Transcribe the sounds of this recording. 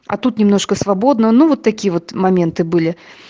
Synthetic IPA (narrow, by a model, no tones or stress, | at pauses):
ɐ̰t̪ut̪nʲɪmnoʂkəsvabod̪nənuvot̪ːɐkʲijəvot̪mɐmʲent̪ɨbɨlʲɪ